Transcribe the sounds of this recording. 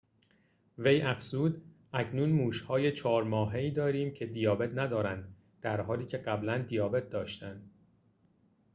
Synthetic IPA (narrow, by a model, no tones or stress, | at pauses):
ve̞jæfzuːd̪ʔæcʰnuːnmuːʃhɒːje̞t͡ʃʰɒːɾmɒːɦe̞iːd̪ɒːɾiːmcʰe̞d̪ijɒːbe̞t̪ʰnæd̪ɒːɾænd̪ | d̪̥æɾɦɒːliːcʰe̞ɢæblænd̪ijɒːbe̞t̪̚d̪ɒːʃt̪ænd̪̥